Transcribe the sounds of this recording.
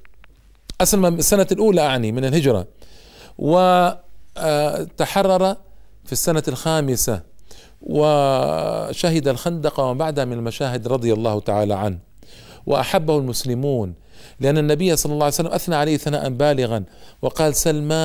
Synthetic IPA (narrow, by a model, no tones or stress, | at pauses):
ʔaslamasːanalʔuːlaʔaʕnimɪnɪlhɪd͡ʒɾˤɑ̰ | wɪ | t̪aħɑrˤːɑɾˤɑ | fisːanalxaːmɪsa̰ | wɪ | ʃahɪd̪alxand̪ɑqɑwabaʕd̪hamɪnalmaʃaːhɪd̪ɾˤɑd̪ˤɨjalˤːɑːht̪aʕaːla̰ʕanh | wʔɪ̰ʔa̰ħabːahʊlmʊslɪmuːn | lɪʔanːanːabɪjːasˤɑlːɑlːˤɑːʕjsalːamʔaθnaːʕalajːθana̰ːʔanbaːlɪɣanwɪqɑːlsalmaː